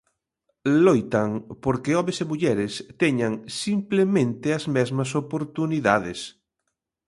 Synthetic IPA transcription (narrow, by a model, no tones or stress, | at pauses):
lojt̪aŋpoɾkeɔmesemuʎɛɾest̪eɲaŋsimplemẽnt̪eazmɛzmas̬opoɾt̪uniðaðes